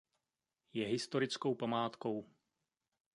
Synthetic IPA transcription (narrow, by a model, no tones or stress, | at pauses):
jɛɦɪst̪o̞ɾɪt͡sko̞wpamaːt̪ko̞w